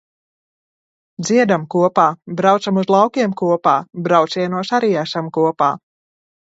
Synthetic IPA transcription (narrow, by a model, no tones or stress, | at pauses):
d̪ziɛd̪amkuɔpaːbɾawt̪samuzlˠawkʲiɛmkuɔpaːbɾawt̪siɛnuɔsaɾiːaʃamkuɔpaː